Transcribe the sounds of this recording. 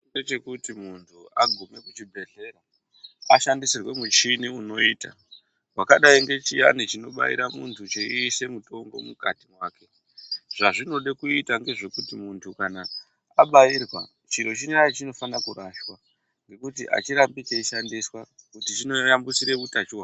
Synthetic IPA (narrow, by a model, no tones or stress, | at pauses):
iet͡ʃe̞kutimuntʰuaɡʱume̞kut͡ʃibʱe̞ɮe̞ɾo | aʃandisirwe̞mut͡ʃiniuno̞iːta̰ | wakaɗaiŋɡe̞t͡ʃija̰nit͡ʃino̞ɓa̰ḭɾamṵntʰut͡ʃeise̞muto̞ŋɡo̞mukatimwaːke̞ | ʐ̥aʐino̞ɗekuitaŋɡe̞ʐe̞kutimuntʰukana | aɓairwa̰ | t͡ʃiɾo̞t͡ʃiniait͡ʃino̞fanakuraʃwa | ŋɡe̞kutiʔa̰t͡ʃiɾambit͡ʃeiʃandiswakutit͡ʃino̞jambusiɾeʋutat͡ʃuwa